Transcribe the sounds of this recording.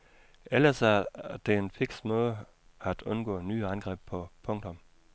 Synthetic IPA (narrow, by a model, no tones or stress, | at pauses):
elɐsæɐd̥e̝enfeɡ̥smɔ̽ːðˠ | æd̥ɔ̽nɡ̥ɔ̰ːny̰ːænɡ̥ʁɛ̰ːb̥pʰɒ̽pʰɔ̽ŋd̥ʰɔ̽m